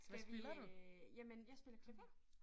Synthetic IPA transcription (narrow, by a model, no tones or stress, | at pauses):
ʋæsʋielɐd̥ujæmənjäɪsb̥e̝lɐkʰleʋe